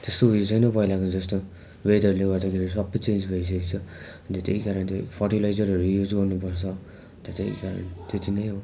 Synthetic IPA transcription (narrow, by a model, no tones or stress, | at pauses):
t̪est̪oujot͡sʰʌjnʌpʌilakod͡zʌst̪o | wedʱʌɾuleɡʌɾd̪akʰeɾis̬ʌbʌt͡send͡zbʱʌis̬ʌkit͡sʰʌ | ʌnt̪ʌt̪eikaɾʌnt̪epʰʌrʈilajzʌɾʌɾujud͡zɡʌrnupʌɾt͡sʰʌ | nt̪ʌt̪ḛḭkaɾʌ̰nt̪et̪ʰinʌjɦow